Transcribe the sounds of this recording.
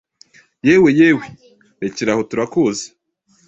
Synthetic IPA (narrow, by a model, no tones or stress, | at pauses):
jeːwejeːwe | ɾeciɾahotuɾakuze̥